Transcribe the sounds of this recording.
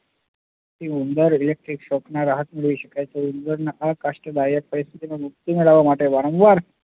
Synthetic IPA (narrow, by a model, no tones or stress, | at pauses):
t̪iund̪əɾilek̚ʈɾikɕɔknaɾaɦət̪miɭʋiɕəkajt͡seund̪əɾnəʔakaʂʈəd̪ajək̚pəɾist̪ʰit̪inemuk̚t̪imiɭaʋamaʈʰeʋaɾə̃wʋaɾ